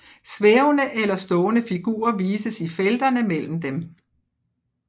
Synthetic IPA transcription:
sʋeʊnəʔelɐsd̥ɔːnəfiɡ̥ṵːɐʋiːsəsifeld̥ɐnəmel̰m̩d̥em

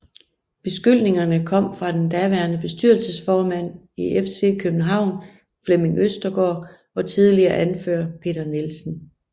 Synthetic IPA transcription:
b̥e̝sɡ̥yl̰ne̝ŋɐnəkʰɒ̽m̰fʁɑ̈d̥end̥æʋæːɐnəb̥e̝sd̥yɐlsəsfɒːmæn̰ | iefse̝̰ːkʰøb̥̚n̩ɦɑ̈ʊ̰n | fleme̝ŋøsd̥ɐɡ̥ɒ̰ː | ɒ̽t͡sʰið̞ˠliɐːʔænføɐ̰pʰe̝̰ːd̥ɐne̝lsn̩

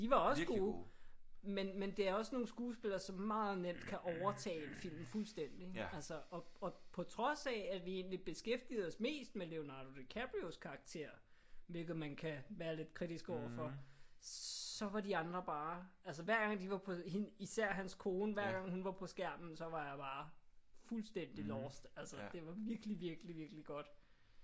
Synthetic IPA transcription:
d̥iʋɑ̈ɒ̽sɡ̥uː | menmend̥e̝æɐɒ̽sno̝ːn̩sɡ̥uːsb̥e̝lɐːsɒ̽mːɑ̈ːð̞̩ˠnem̰d̥kʰæʔɒʊɐt͡sʰɛ̰ːenfil̰mfulsd̥en̰d̥iælsəɒ̽ɒ̽pʰɒ̽t͡sʰʁɒ̽sɛæʋie̝ːnlib̥e̝sɡ̥efd̥ḭð̩ˠɒsme̝̰ːsd̥mele̝o̝nɑ̈ːd̥o̝d̥ekʰæb̥ʁioskʰɑ̈ɑ̈ɡ̥̚t͡sʰe̝̰ɐ̰ | ʋe̝lɡ̥ð̩ˠmænkʰæʋæːɐle̝d̥̚kʰʁid̥isɡ̥ɒʊ̰ɐfɒ̽ | sɒ̽ʋɑ̈diɑ̈nd̥ʁɐb̥ɑ̈ːʔæls̬əʋæɐ̰ɡ̥ɑ̈ŋ̰d̥iʋɑ̈pʰɒ̽hiisæɐ̰ɦænskʰo̝ːnəʋæɐ̰ɡ̥ɑ̈ŋ̰hunʋɑ̈pʰɒ̽sɡ̥æɐ̰mn̩sɒ̽ʋɑ̈jɑ̈b̥ɑ̈ːfulsd̥en̰d̥ilɒːsd̥ælsəd̥e̝ʋɑ̈ʋiɐɡ̥əliʋiɐɡ̥liʋiɐɡ̥liɡ̥ɒ̽d̥

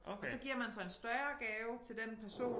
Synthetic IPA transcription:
ɒsɒ̽ɡ̥iɐ̰mænsɒ̽e̝nsd̥ɶɐɐɡ̥ɛːʊt͡sʰe̝ld̥enpʰæɐso̝̰ː

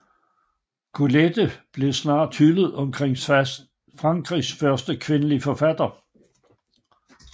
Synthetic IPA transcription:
kʰuled̥əb̥le̝snɑ̰̈ːd̥hyləð̩ˠɒ̽mkʰʁeŋ̰ | fʁɑ̈ŋɡ̥ʁisfɶɐsd̥əkʰʋe̝nəlifɒ̽fæd̥ɐ

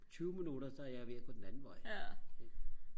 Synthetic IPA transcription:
t͡ɕʰyːʊminuɾɐsɒæɐjäɪʋeɐ̰pʰɔ̽d̥enænn̩ʋɒɪe

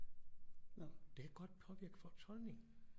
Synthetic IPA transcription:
d̥e̝æɡ̥ɒ̽d̥̚pʰɒ̽ʋiɐ̰ɡ̥fɒ̽t͡sʰɒ̽lne̝ŋ

